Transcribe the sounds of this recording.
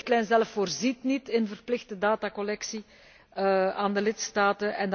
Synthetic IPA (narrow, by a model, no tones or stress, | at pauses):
xtlɛjnzɛlfːoːrzitnitɪnvərplɪɣtədaːtakɔlɛksi | aːndəlɪtstaːtənɛnd